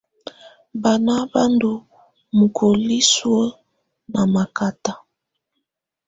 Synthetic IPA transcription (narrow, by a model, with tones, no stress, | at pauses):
ba˨na˦ba˦ndu˨ | mu˨kʰo˨li˦swə˦ | na˨ma˨ka˨ta˦